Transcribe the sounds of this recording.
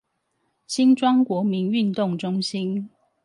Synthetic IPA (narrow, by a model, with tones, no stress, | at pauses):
ɕi˦nʈ͡ʂwɑ˥ŋkwɔ˨˥mi˨˦ny˥˧nt̪ʊ˥˨ŋʈ͡ʂʊ˦˥ŋɕi˦n